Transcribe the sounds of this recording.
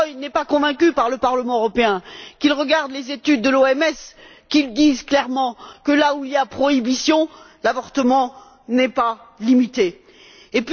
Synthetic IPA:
ɔjnɛpakɔ̃vɛ̃k̬ʲypaʁləpaʁləmɑ̃øʁɔpeɛ̃kilʁəɡaʁd̪lezet̪yd̪ːəloɛmɛs | kild̪izklɛʁmɑ̃kəlauiljapχɔibisjɔ̃ | lavɔʁt̪əmɑ̃ | nɛpalimit̪eː | p

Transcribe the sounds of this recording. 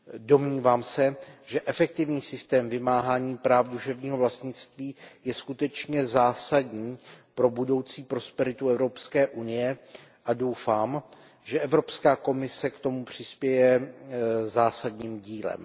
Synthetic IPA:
do̞mɲiːvaːmsɛʒɛʔɛfɛk̚t̪ɪvɲiːsɪst̪ɛːmvɪmaːɦaːɲiːpɾaːfduʃɛvɲiːɦo̞vlast̪ɲɪt͡st̪viːjɛskut̪ɛt͡ʃɲɛzaːsadɲiːpɾo̞budo̞wt͡siːpɾo̞spɛɾɪt̪uɛvɾo̞pskɛːʔunɪjɛ | ʔado̞wfaːm | ʒɛʔɛvɾo̞pskaːko̞mɪsɛkt̪o̞mupr̝̥ɪspjɛjɛ | zaːsadɲiːmɟiːlɛ̰m

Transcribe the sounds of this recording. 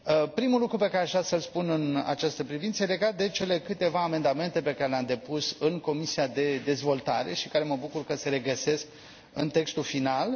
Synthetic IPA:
pɾimulukɾupe̞kaɾeaʒasəlspunɨna̰t͡ʃast̪əpɾivintsəjele̞ɡat̪̚d̪e̞t͡ʃe̞le̞kɨt̪e̞vaːme̞nd̪ame̞nt̪e̞pe̞kaɾe̞leamd̪e̞pusɨŋko̞misiad̪e̞d̪e̞zvo̞lt̪aɾe̞̰ʃikaɾe̞məbukurkəse̞ɾe̞ɡəse̞sk | ɨ̰nt̪e̞kst̪ulfinal

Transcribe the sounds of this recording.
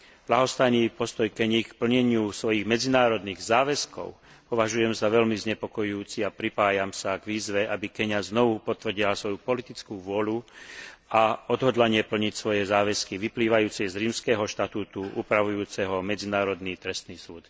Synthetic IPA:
b̥laɦɔst̪ajniːpɔst̪ɔjkɛɲikpl̩ɲɛɲɪusʋɔjiɣmɛd͡zinaːɾɔd̪niːɣzaːʋɛskɔ̰ʊ | pɔʋaʒujɛmzaʋɛʎmizɲɛpɔkɔjuːt͡siapɾipaːjamsaɡʋiːzʋɛʔabikɛɲaznɔʋupɔt̪ʋr̩ɟilasʋɔjupɔlit̪it͡skuːʋʊɔlu | aɔd̪ɦɔd̪laɲɪɛpl̩ɲicsʋɔjɛzaːʋɛskiʋipliːʋajuːt͡siɛzɾiːmskɛːɦɔʃt̪at̪uːt̪uʔṵːpɾaʋujuːt͡sɛɦɔmɛd͡zinaːɾɔd̪niːt̪ɾɛst̪niːsuːt̪

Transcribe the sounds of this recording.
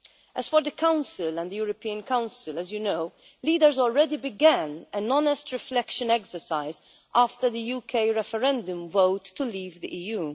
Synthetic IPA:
ʔɛz̥fɔɾðəkãʊ̃nsɪlɛ̃nd̪əjuːɾɔpiːə̃nkãʊ̃nsɪləzjunoʊ | liːd̪əɾzɔːlɹɛd̪ibɪɡæ̃næ̃nɔnɛstɹɪflɛkʃə̃nɛksəɹsaɪz | ʔaːft̪əɾðəjuːkʰeɪɹɛfəɾɛ̃nd̪ʊ̃mvoʊt̪ːuliːvd̪iʔiːjuː

